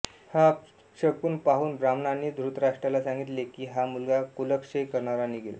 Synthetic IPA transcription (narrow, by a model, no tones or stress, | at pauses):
ha | ɕəkuːnpaɦuːnbɾamnanid̪ʱɾut̪ɾaʂʈɾalasãŋɡit̪lekiːɦamulɡakuləkʂekəɾɳaɾaniɡḛl